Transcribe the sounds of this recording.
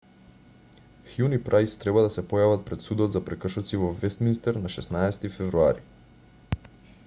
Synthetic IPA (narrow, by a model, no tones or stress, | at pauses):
xjunipɾajst̪ɾɛbad̪asɛpɔjavat̪̚pɾɛt̪sud̪ɔt̪zapɾɛkr̩ʃɔt̪sivɔvɛst̪minist̪ɛɾnaʃɛsnaɛsɛ̥t̪ifɛvɾuaɾi